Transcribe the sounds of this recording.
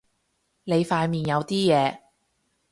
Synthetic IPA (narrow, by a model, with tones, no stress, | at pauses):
ne˨˧jfaː˧jmiː˨˩njɐ˨˧wt̪iː˥jɛː˨˧